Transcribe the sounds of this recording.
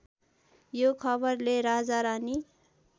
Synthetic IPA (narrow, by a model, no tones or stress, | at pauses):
jokʰʌbʌrleɾad͡zaɾani